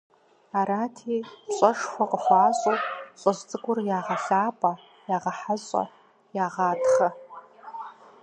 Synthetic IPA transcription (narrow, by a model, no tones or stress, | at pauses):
aɾaːtʰiɕʷʼɐʂfʷaqʼəχʷaːɕʷʼopʼɕʷʼazt͡sʼɨɡʷʊrjaːʁaɬaːpʼa | jaːʁaħaɕʷʼa̰ | jaːʁaːdχa